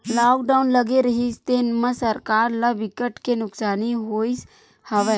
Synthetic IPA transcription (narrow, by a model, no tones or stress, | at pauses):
laːk̚ɖaːʊnlɐɡeɾɐɦist̪enmə̃sɐɾkaːɾlɐbɪkəʈkenʊksaːniɦoːis | hɐʋɛ